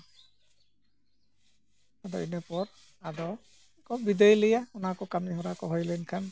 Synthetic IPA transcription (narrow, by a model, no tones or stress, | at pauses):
adɔ̰inɛpɔɾ | adɔ | ɛkɔbid̪ejlijaɔnakɔkamiɦɔɾakɔɦɔjlɔjnkʰan